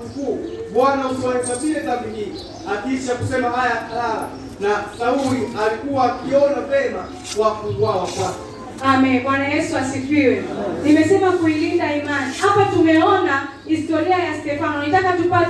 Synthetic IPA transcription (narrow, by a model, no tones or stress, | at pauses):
mkuuɓwanausiwanɛkwaɓilɛtaɓihii | akit͡ʃakusɛmahajaalala̰ | nasauialikuwaːkiɔnapɛma | wakuɡwawakwakɛ | amɛnɓwanajɛsuasitwiwɛnimɛsɛmakuilindaimanihapatumɛɔna | histɔɾiajastɛfanɔnitakatupa